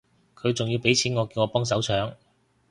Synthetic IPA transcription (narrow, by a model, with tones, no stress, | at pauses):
kʰɵ˨˧ɥt͡sʊ˨ŋjiː˧wpe˨˥jt͡sʰiː˨˥nŋɔː˨˧ki˧wŋɔː˨˧pɔː˥ŋs̬ɐ˨˥wt͡sʰœː˨˥ŋ